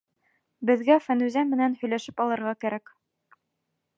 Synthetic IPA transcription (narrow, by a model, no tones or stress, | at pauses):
bɘ̆ðɡæfænʉzæmɘ̆nænhɵ̆jlæʃɘpɑlˠɤ̆ɾʁɑkæɾæk